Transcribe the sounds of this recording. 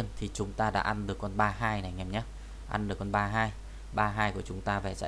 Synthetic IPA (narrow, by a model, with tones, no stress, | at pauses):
ənt̪ʰi˨˩t͡ɕʊ˨˦ŋ͡mt̪aː˧ɗa̰ː˧˥ʔa˧nɗɨ˨˩əkːɔ˧nɓaː˧ɦaː˧jna˨˩jŋɛ˨˩mɲa˨˦ | ʔa̰˧nɗɨ˨˩əkːɔ˧nɓaː˧ɦaː˧j | ɓaː˧ɦaː˧jku˧˩ət͡ɕʊ˨˦ŋ͡mt̪aː˧vɛ˨˩t͡ɕa̰ː˧˨